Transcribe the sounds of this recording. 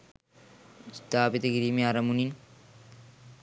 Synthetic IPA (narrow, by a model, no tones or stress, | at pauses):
sd̪aːbit̪ɐɡiɾimeɐɾɐmunin